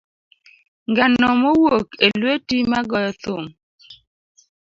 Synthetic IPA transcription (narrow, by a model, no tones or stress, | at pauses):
ŋɡanɔmowokelwetimaɡɔjɔt̪om